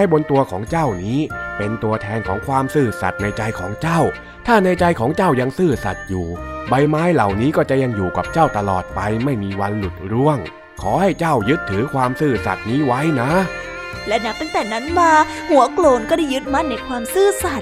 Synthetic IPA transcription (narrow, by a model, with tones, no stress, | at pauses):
a˥˩jbo˧nt̪u˧ɐkʰɔː˩˦ŋt͡ɕa˥˩wniː˦˥pe˧nt̪u˧ɐt̪ʰɛː˧nkʰɔː˩˦ŋkʰwaː˧msɯː˧˩sa̰˨˩t̪̚na˧jt͡ɕa˧jkʰɔː˩˦ŋt͡ɕa˥˩w | t̪ʰaː˥˩na˧jt͡ɕa˧jkʰɔː˩˦ŋt͡ɕa˥˩wja˧ŋsɯː˥˩sa̰˨˩t̪̚juː˨˩ba˧jmaː˦˥jla˨˩wniː˦˥kɔː˥˩t͡ɕa˨˩ja˧ŋjuː˨˩ka˨˩p̚t͡ɕa˥˩wt̪a˧lɔː˨˩t̪̚pa˧jma˥˩jmiː˧wa˧nlu˨˩t̪̚ɾu˧˥˩əŋ | kʰɔː˩˦ha˥˩jt͡ɕa˥˩wjɯ˦˥t̪ʰːɯː˩˦kʰwaː˧msɯː˥˩sa̰˨˩t̪̚niː˦˥wa˦˥jna˦˥ | lɛ˦˥na˦˥t̪a˥˩ŋt̪ɛː˨˩na˦˥nmaː˧ | hu˩˦əkloː˨˩nkɔː˥˩da˥˩jːɯ˦˥t̪̚ma˦˥t̪̚na˧jkʰwaː˧msɯː˥˩sa˨˩t̪̚